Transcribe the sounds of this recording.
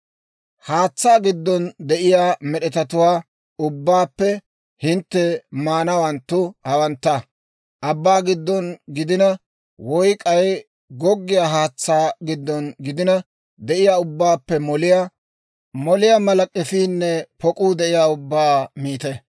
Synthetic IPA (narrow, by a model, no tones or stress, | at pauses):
haːt͡sːaːɡɪd̪ːɔnd̪ɛʔɪjaːmɛɗɛt̪ɐt̪ʊwaː | ʊbːaːpːɛ | hɪnt̪ːɛmaːnɐwɐnt̪ːʊhɐwɐnt̪ːɐ | ʔɐbːaːɡɪd̪ːɔnɡɪd̪ɪnɐ | wɔjkʼɐj | ɡɔɡːɪjaːɦaːt͡sːaːɡɪd̪ːɔnɡɪd̪ɪnɐ | d̪ɛʔɪjaːʊbːaːpːɛmɔlɪja | mɔlɪjamɐlɐkʼːɛfiːnːɛpɔkʼuːd̪ɛʔɪjaːʊbːaːmiːt̪ɛ